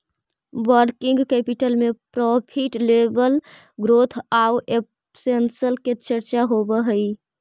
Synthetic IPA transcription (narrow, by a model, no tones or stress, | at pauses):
ʋəɾkĩŋɡkɛpiʈəlmepɾɔpʰiʈlebəl | ɡɾot̪ʰauep | sensəlket͡ʃəɾt͡ʃaɦobəɦəi